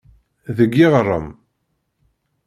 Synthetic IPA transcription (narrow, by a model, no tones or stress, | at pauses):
ðəɡːɪʁrˤːə̰m